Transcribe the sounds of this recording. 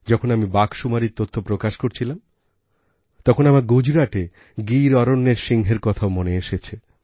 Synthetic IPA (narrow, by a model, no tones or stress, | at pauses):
d͡ʑɔkʰonamibakʃumaɾiɾt̪ot̪ʰːopɾokaʃkoɾt͡ɕʰilam | t̪ɔkʰonamaɾɡud͡ʑɾaʈe | ɡiɾɔɾonːeɾʃiŋɦeɾkɔt̪ʰaomoneeʃet͡ɕʰe